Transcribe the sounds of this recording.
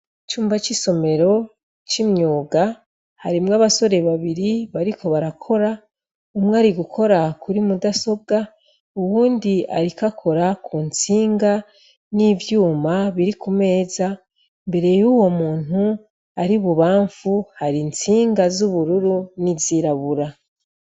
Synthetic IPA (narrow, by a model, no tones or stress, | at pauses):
it͡ʃuːmbat͡ʃiso̞me̞ɾo̞ | t͡ʃimɲoːɡa | haɾimŋaβaso̞ɾe̞βaβiɾiβaɾikʰo̞βaɾakʰo̞ɾa | umŋaɾiɡukʰo̞ɾakʰuɾimudaso̞b̚ɡa | uβuːndia̰ɾikakʰo̞ɾakʰunt͡siːŋɡa | niːvjuːmaβiɾikume̞ːza | mbe̞ɾe̞juːwo̞muːn̥u | aɾiβuβaːɱfuhaɾint͡siːŋɡazuβuɾuɾuniziɾaβuɾa